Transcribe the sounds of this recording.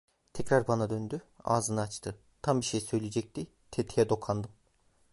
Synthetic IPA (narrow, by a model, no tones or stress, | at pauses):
t̪ʰɛcɾaɾbanad̪ønd̪ya̰ːzɯnɯat͡ʃt̪ʰɯ | t̪ʰambiʃejsø̞jlʲed͡ʒɛc̚t̪ʰi | t̪ʰet̪ʰijɛd̪o̞kʰand̪ɯm